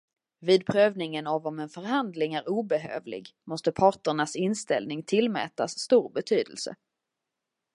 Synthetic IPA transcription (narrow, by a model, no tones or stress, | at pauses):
viːd̪̚pʰɾøːvnɪŋənavɔmɛnfœɾɦand̪lɪŋæɾuːbɛɦø̰ːvlɪ̰ɡmɔst̪əpʰɑːʈəɳasɪnst̪ɛ̰lnɪŋt̪ʰɪlmɛ̰ːt̪asːt̪uːɾbɛt̪ʰyːd̪ə̰lsə̰